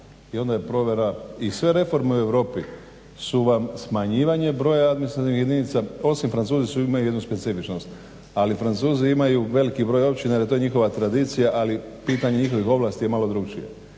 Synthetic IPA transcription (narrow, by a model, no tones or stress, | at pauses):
io̞nd̪ajepɾo̞ʋje̞ɾaisʋe̞ɾe̞fo̞ɾmeue̞ʋɾo̞ːpi | suʋamsmaɲiːʋaɲe̞bɾo̞ːjaad̪minist̪ɾat̪inixjed̪init̪sao̞simfɾant̪suːzisuimajuje̞d̪nuspe̞t̪sifit͡ʃnost̪ | alifɾant̪suːziimajuʋe̞likibɾo̞jo̞p̚t͡ʃinajeet̪o̞jeɲixo̞ʋat̪ɾad̪it̪sijaʔalipiːt̪aɲe̞ɲixo̞ʋixo̞ʋlˠast̪ije̞malo̞d̪ɾuɡt͡ʃḭjḛ